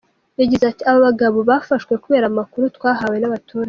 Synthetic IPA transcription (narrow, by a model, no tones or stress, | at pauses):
jaɟizatiaβoβaɡaβo̞βafaʃwe̞kuβeːɾamakuɾutwaːɦawe̞naβatuːɾa